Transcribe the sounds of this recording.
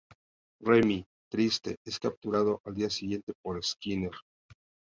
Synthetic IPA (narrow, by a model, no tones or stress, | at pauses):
remi | t̪ɾist̪e̞̰e̞skap̚t̪uɾað̞o̞ʔald̪iasiɣje̞nt̪e̞po̞ɾeskine̞ɾ